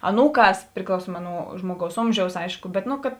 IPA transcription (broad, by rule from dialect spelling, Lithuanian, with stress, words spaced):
ɐˈnuːˌkɑːs pʲrʲɪklˠɐʊˈsuɔmɐ nʊ ˈʒmuɔˌɡɐʊs ˈoːmʲʒʲɛʊs ˈɐɪʃkʊ ˈbʲɛt nʊ kɐt